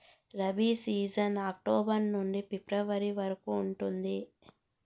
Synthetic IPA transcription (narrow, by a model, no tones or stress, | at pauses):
ɾɐbisiːd͡ʒɐnaːk̚ʈoːbɐɾnuɳɖipipɾɐʋɐɾiʋɐɾɐkuːɳʈund̪i